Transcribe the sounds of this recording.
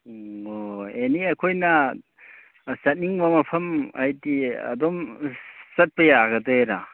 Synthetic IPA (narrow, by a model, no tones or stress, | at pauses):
oeniɐkʰojnɐ | sɐt̚niŋbɐmɐpʰɐmajdiɐ̰dɔm | sɐt̚pɐjaɡɐdejɾa